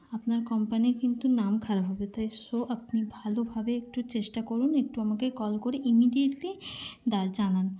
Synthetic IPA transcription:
apnaɾkɔmpanikint̪unamkʰaɾabɦɔbet̪ajsoʔap̚nibʱalobʱabeek̚ʈut͡ɕeʃʈakoɾunek̚ʈuamakekɔlkoɾeʔimiɖieʈlid̪aɾd͡ʑanan

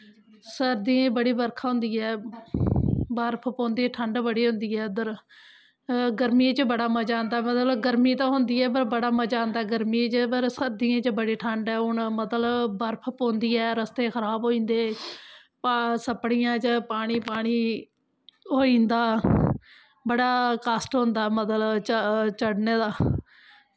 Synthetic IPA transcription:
səɾd̪ĩːbəɽiːbəɾkʰaːɦʊ̃nd̪iːɛː | bəɾpʰpõːnd̪iːʈʰəɳɖbəɽiːɦʊ̃nd̪iːɛːd̪əɾ | ɡəɾmĩt͡ʃbəɽaːməd͡ʒãːnd̪aːmət̪ləbɡəɾmiːt̪ãːɦʊnd̪iːɛːpəɾbəɽaːməd͡ʒãːnd̪aːɡəɾmĩːt͡ʃpəɾsəɾd̪iːãːt͡ʃbəɽeːʈʰəɳɖɛːʊɳmət̪ləbbəɾpʰpõːnd̪iːɛːɾəst̪eːkʰəɾaːbɦoːĩːnd̪eː | pasəpɽijãːt͡ʃpaːɽ̃iːpaːɽ̃iː | ɦoːĩːnd̪aː | bəɽaːkaːsʈɦʊ̃nd̪aːmət̪lət͡ʃt͡ʃəɽneːd̪aː

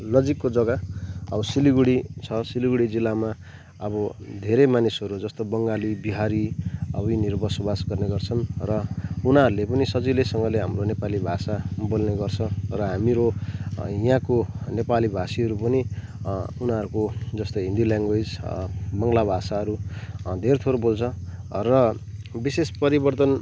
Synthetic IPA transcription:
nʌd͡zikːod͡zʌɡaʌbʌsiliɡuɽit͡sʰʌsiliɡuɽid͡zilːama | ʌbʌd̪ʱeɾemanisɦʌɾud͡zʌst̪obʌŋɡalibiɦaɾiʌbʌjnirbʌsʌbasɡʌrneɡʌrt͡sʰʌnrʌunaʌɾulepʌnisʌd͡zilesʌŋɡʌleɦamronepalibʱasabolneɡʌrt͡sʰʌ̃rʌɦamiɾo | jãkonepalibʱasiɦʌɾupʌni | unaɦʌɾukod͡zʌst̪oɦĩnd̪iljãŋɡojsbʌŋɡlabʱasaɦʌɾud̪ʱeɾt̪ʰoɾobolt͡sʰʌ̃rʌbisespʌɾibʌrt̪ʌn

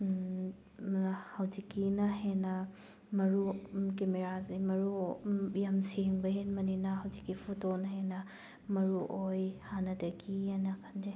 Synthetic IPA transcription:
hɐwzikːinɐɦenɐ | mɐɾukemeɾazejmɐɾujɐmseŋbɐɦenmɐninɐɦɐwzikːipʰutonɐhenɐ | mɐɾuʔojhanɐdɐɡianɐkʰand͡ʒe

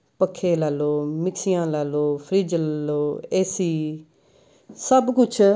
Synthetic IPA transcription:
pəkʰːeːlaːloːmɪksɪjãːlaːloːpʰəɾiːd͡ʒlaloːeːsiː | səbkʊt͡ʃʰ

